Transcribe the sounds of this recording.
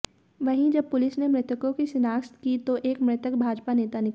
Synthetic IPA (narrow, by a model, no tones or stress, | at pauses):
ʋɐɦĩd͡ʒɐb̚pʊlɪsnemɾɪt̪əkõkisɪnaːst̪kit̪oʔeːkmɾɪt̪əkbʱaːd͡ʒpaneːt̪anɪk